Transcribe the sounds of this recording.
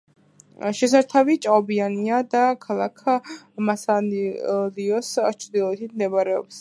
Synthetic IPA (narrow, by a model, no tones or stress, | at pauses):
ʃɛsaɾt̪ʰavit͡ʃʼaɔbianiad̪akʰalˠakʰmasa | liɔst͡ʃʰɾd̪ilˠɔɛt̪ʰit̪ʰmd̪ɛbaɾɛɔ̰bs